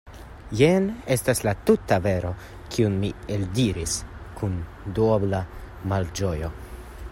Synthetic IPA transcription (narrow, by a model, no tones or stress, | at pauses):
jene̞staslatutaveɾo̞ | kʰiunmieldiɾiskʰun | duobla | mald͡ʒojo̞